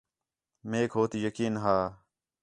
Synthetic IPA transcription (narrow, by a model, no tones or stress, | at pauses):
meːkɦoːt̪ijəkiːnɦaː